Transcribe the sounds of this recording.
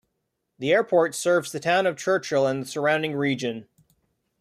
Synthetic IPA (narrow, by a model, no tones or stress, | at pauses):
ðiɛɹpʰɔɹtsɜ˞vzðɨtʰãʊ̃nʌv̥t͡ʃʰɜ˞t͡ʃlˠə̃nðəsə˞ãʊ̃ndɪ̃ŋɹid͡ʒɨ̃n